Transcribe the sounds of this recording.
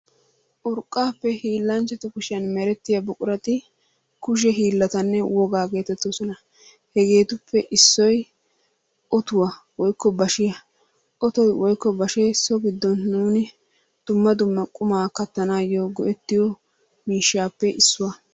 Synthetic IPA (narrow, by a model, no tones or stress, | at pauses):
ʔʊɾkʼːaːpːɛhiːlːɐnt͡ʃːɛt̪ʊkʊʃɪjɐnmɛɾɛt̪ːɪjɐbʊkʼʊɾɐt̪ɪ | kʊʃ̬ɛɦiːlːɐt̪ɐnːɛwɔɡaːɡe̞ːt̪ɛt̪ːɔsɔnɐ | hɛɡe̞ːt̪ʊpːɛʔɪsːɔj | ʔɔt̪ʊwɐ | wɔjkːɔbɐʃɪjɐ | ʔɔt̪ɔjwɔjkːɔbɐʃesɔɡɪd̪ːɔnːuːnɪ | d̪̥ʊmːɐd̪ʊmːɐkʼʊmaːkɐt̪ːɐnaːjːoːɡɔʔɛt̪ːɪjɔ | miːʃːaːpːɛʔɪsːʊwɐ